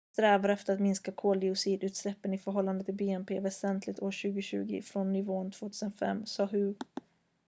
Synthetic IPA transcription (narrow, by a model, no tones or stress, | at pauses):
tt̪ɾɛːvaɾɛft̪əɾat̪mɪnskakʰoːld̪ɪʊsiːd̪ʉ̟ːt̪slɛpːənɪfœɾɦɔlːand̪ət̪ʰːɪlbeːɛmpʰḛːvɛsɛnt̪ʰlɪt̪oːɾɕʉ̟ːɡʊɕʉ̟̰ːɡɪ̰fɾɔnːʏvoːnt̪ʰv̥oːt̪ʰʉːsənfɛ̰mːsɑːɦɵ